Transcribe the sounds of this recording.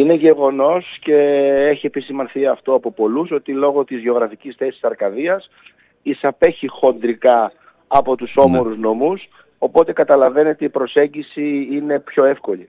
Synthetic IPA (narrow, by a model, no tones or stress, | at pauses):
ine̞ʝe̞ɣo̞no̞sce̞eçie̞pisimɐnθiɐft̪o̞ɐpo̞po̞luso̞t̪ilo̞ɣo̞t̪izʝeo̞ɣɾɐficisθe̞si̥sɐɾkɐðiɐs | isɐpe̞çixo̞nd̪ɾikɐː | po̞t̪uso̞mo̞ɾuzno̞mus | o̞po̞t̪e̞kɐt̪ɐlɐve̞ne̞t̪eipɾo̞se̞ɲɟisiine̞pço̞e̞fko̞li